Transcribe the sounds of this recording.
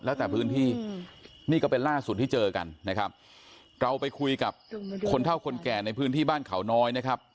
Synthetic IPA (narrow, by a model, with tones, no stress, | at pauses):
lɛː˦˥wt̪ɛː˨˩pʰɯː˦˥nt̪ʰiː˥˩ | niː˥˩kɔː˥˩pe˧nlaː˥˩su˨˩t̪ʰːiː˥˩t͡ɕɤː˧ka̰˧nːa˦˥kʰa˦˥p̚ | ɾa˧wpa˧jkʰu˧jka˨˩p̚kʰo˧nt̪ʰa˥˩wkʰo˧nkɛː˨˩na˧jpʰɯː˦˥nt̪ʰiː˥˩baː˥˩nkʰa˩˦wnɔː˦˥jna˦˥kʰa˦˥p̚